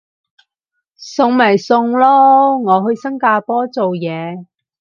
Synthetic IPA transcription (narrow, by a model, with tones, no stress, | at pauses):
sʊ˧ŋmɐ˨˩jsʊ˧ŋlɔː˥ŋɔː˨˧ɦɵ˧ɥsɐ˥ŋkaː˧pɔː˥t͡so˨wjɛː˨˧